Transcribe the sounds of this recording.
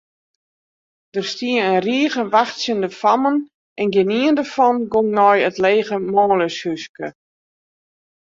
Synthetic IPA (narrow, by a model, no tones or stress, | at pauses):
d̥ərstiəənriəɣəʋaxtsjəndəfamən | ʔɛnɡɪniəndərfɔnɡoŋnɔjətleːɣəmɔːləshyskə